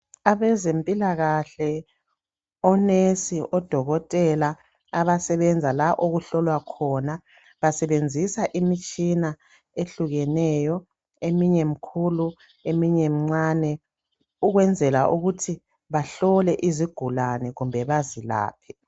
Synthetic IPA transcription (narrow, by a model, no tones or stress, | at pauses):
aβɛzempʼilaɣaɬɛ | ɔnesiʔɔd̥ʱɔɣɔtʼɛlaː | βasɛβɛnd͡zʱalaʔoɣuɬɔlwakʰɔna | βasɛβend͡zʱisaʔimit͡ʃʼina | eɬuɣɛnɛjɔ | emiɲɛmikʰulu | emiɲɛm̩ŋ͡ǀaːnɛ | uɣwɛnd͡zʱɛla̰ʔuɣutʰi | βaɬɔlɛʔiziɡ̥ʱulanɛɣumbʱɛβazila̰ːpʰɛ̥